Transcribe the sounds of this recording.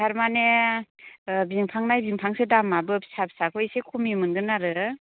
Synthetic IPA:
aɾmane | biŋpʰaŋnajbiŋpʰaŋsɯdamabɯpsap̚sakʰɔisekʰumimɯnɡɯnaɾɯ

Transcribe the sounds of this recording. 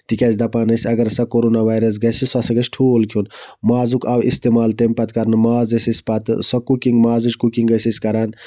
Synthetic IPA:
t̪ikʲazʲd̪ɐpaːnɐsʲɐɡɐɾsɐkoɾoːnaʋaːjɾɐs̬ɡɐsisɐsɐɡɐsʈʰuːlkʰunmaːzukʰawḭst̪emaːlt̪empɐt̪kɐɾnɨmaːzɐsisʲpɐt̪sɐkukiŋɡmaːzit͡ʃkukiŋɡɐsisʲkɐɾaːn

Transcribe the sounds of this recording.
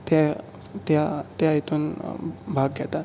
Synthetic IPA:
t̪a | t̪jat̪jait̪ʰuːnbʱaɡɡɛt̪at̪

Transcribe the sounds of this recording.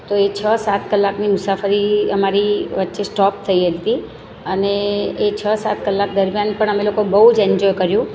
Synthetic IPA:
t̪oet͡ʃʰəsat̪kəlːaknimʊsafəɾiəmaɾiʋətːʃesʈɔp̚t̪ʰəiɦəlt̪i | əneːt͡ʃʰəsat̪̚kəlːak̚d̪əɾmjanpəɳ̃əmelokobəɦud͡ʒɛɲd͡ʒɔjkəɾjũ

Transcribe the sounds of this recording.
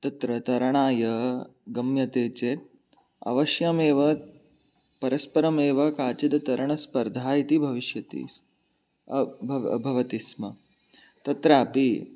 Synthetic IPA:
t̪ɐt̪ɾɐt̪ɐɾɐɳaːjɐɡɐmjɐt̪eːt͡ʃeːt̪̚ | ɐ̰ʋɐʃjɐmeːʋɐ | pɐɾɐspɐɾɐmeːʋɐkaːt͡ʃid̪ɐt̪ɐɾɐɳɐspɐɾd̪ʱaːjit̪ibʱɐʋiʃjɐt̪ḭː | b̰bʱɐʋɐt̪ismɐ | t̪ɐt̪ɾaːpi

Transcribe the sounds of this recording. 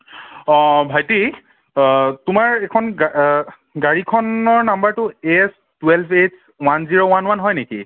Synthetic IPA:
ɔbʱajti | tʊmaɹɛkʰɔn | ɡaɹikʰɔnɔɹnambaɹtʊes | twelpʰet | wanziɹowanwanɦɔjnekḭ

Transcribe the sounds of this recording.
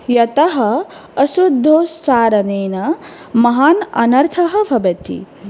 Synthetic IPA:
jɐt̪ɐɦɐ | ɐʃud̪ʱːoːsaːɾɐneːnɐ | mɐɦaːnɐ̰nɐɾt̪ʰɐɦɐ̆bʱɐbɐt̪ḭ

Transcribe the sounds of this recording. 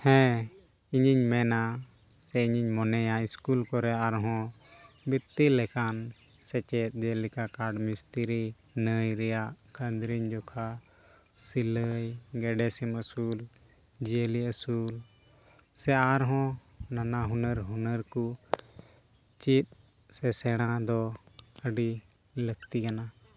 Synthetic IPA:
hɛ̃ | iɲiɲmɛna | sɛiɲiɲmɔnɛjaiskulkɔɾɛaɾɦɔ̃ | bit̪ːilɛkʰan | sɛt͡ʃɛt̪̚ˀd͡ʒelikakaɖmist̪iɾi | nəjɾɛjaʔkʰənd̪ɾiɲd͡ʒɔkʰa | siləjɡɛɖɛsiməsul | d͡ʒeliəsul | sɛaɾɦɔ̃ | nanaɦunəɾɦunəɾku | t͡ʃit̪̚ | sɛsɛɽ̃ãd̪ɔəɖi | lək̚t̪ikana

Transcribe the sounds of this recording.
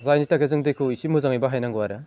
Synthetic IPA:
zajnitakezɯŋdɯjkʰɯisimuzaŋijbaɦajnaŋɡɯwaɾɯ

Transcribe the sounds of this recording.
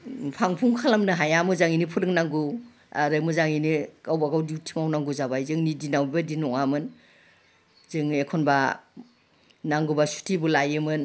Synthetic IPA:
pʰaŋpʰuŋkʰalamnɯɦajamɯzaŋinipʰɯɾɯŋnaŋɡu | a̰ɾɯmɯzaŋinikawbaɡawdiwtʰimawnaŋɡuzabajzɯŋnidinawbibadinɔŋamɯn | zɯŋekʰonba | naŋɡubasu̥tʰibulajɯmɯn

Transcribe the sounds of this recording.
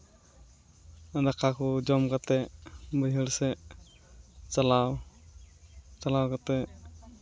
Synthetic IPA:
d̪akʰakʰɔd͡ʒɔmkat̪ɛbəjɦəlsɛ | t͡ʃalaw | t͡ʃalawkat̪ɛ

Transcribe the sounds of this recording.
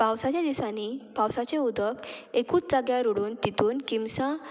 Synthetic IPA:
pawsat͡ɕjad̪isanipawsat͡ɕeud̪əkekuːt͡sd͡zaɡjaɾuɽuːnt̪it̪uːnkimsã

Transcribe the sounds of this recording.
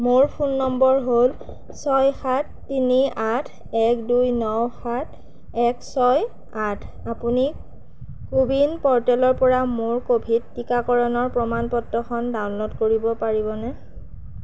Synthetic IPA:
moɹpʰunːɔmbɔɹɦol | sɔjxatːiniatʰ | ɛkdujnɔwxatʰ | ɛksɔj | atʰ | apuni | kubinpɔɹtɛlɔɹpɔɹamoɹkobʱidːikakɔɹɔnɔɹpɹɔmanpɔtɹɔxʰɔndawnlɔtkoɹibɔpaɹibɔnɛ

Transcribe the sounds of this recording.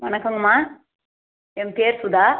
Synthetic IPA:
ʋɐnɐkːɯŋɡɐmaː | ɛmpeːɾsʊd̪aː

